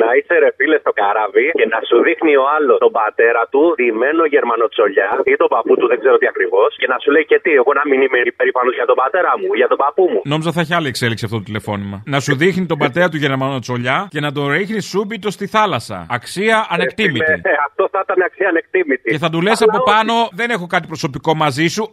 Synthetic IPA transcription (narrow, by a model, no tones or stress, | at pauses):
nɐiseɾe̞file̞st̪o̞kɐɾɐvice̞nɐsuðixnio̞ɐlo̞st̪o̞bɐt̪e̞ɾɐt̪uðime̞no̞ʝe̞ɾmɐno̞t͡so̞ʎɐit̪o̞bɐput̪uðeɡzeɾot̪iɐkɾivo̞sce̞nɐsulejce̞t̪ieɣo̞nɐminimeipe̞ɾipɐnoʝɐt̪o̞bɐt̪eɾɐmuʝɐt̪o̞bɐpumuno̞mizɐθɐçiɐliekse̞liksiɐft̪ot̪ot̪ile̞fo̞nimɐnɐsuðixnit̪o̞bɐt̪e̞ɾɐt̪̬uʝeɾmɐnot͡so̞ʎɐce̞nɐt̪o̞ɾixnisubit̪o̞st̪iθɐlɐsɐ̰ɐksiɐʔɐnekt̪imiiaft̪o̞θɐt̪ɐneɐksiɐːne̞k̚t̪imit̪ie̞θɐt̪ulesɐpo̞pɐno̞ðe̞ne̞xo̞kɐt̪ipɾo̞so̞piko̞mɐzisu